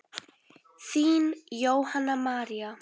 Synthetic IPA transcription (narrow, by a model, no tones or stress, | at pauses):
siːnjowhanəmaɾiə